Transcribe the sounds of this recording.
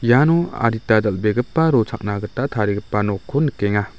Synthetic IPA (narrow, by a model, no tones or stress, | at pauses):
janɔa̰ɾitadɐlbeɡɯpːaɾɔt͡ʃʰak̚naɡɯtatʰaɾiɡɯpːanɔkʰːɔnɯkeŋa